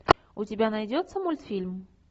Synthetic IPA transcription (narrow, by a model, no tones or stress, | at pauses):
ʊtʲɪbʲanɐjdʲot̪səmulʲt̪fʲilʲm